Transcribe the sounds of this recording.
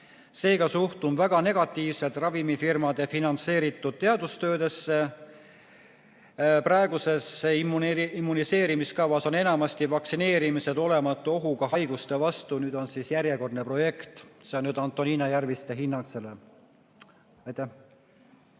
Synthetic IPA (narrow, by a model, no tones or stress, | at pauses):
se̞ːɡ̥ɑsuht̪umvæɡ̥ɑne̞ɡ̥ɑt̪ːˑiːvset̪ˑrɑvimifirmɑd̪̥e̞finɑnt̪se̞ːɾit̪ːˑud̪̥̚t̪e̞ɑd̪ust̪ø̞ːd̪e̞sːe | prɑeɡ̥use̞sːemimːunise̞ːɾimiskɑvɑso̞ne̞nɑmɑst̪ivɑksine̞ːɾimise̞d̪o̞le̞mɑt̪ːˑuo̞ɦuɡ̥ɑɦɑjɡ̥ust̪e̞vɑst̪unyːd̪o̞nsiːsjæɾjeko̞rd̪nepro̞je̞kt̪seonːyːd̪ɑnt̪ːˑo̞niːnɑjærvist̪e̞ɦinːɑkse̞le | ɑjt̪ːæh